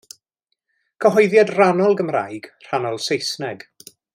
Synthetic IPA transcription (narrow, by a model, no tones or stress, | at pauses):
kʰəɦɔjðjadranɔlˠɡəmra̰jɡ̥r̥anɔlˠsejsnɛɡ̥